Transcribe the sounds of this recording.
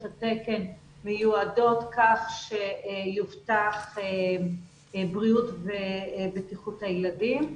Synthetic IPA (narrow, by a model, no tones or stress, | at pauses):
tateke̞n | mejuado̞tkaχʃejuftaχe | bʁiutvebetiχuthajladim